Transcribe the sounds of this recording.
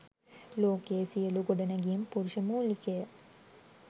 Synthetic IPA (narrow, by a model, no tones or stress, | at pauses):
loːkeːsiɐluɡoɖɐnɐɡijmpuɾuʃɐmuːlikejɐ